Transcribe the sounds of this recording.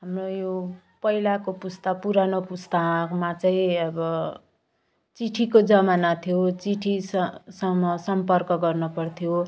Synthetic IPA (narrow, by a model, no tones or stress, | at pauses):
ɦamrojo | pʌilakopust̪ʌk̚puɾanopust̪akmat͡sʌĩʌbʌ | t͡siʈʰikod͡zʌmanat̪ʰijot͡siʈʰisʌsʌmːʌsʌmpʌrkʌɡʌrnupʌrt̪ʰjo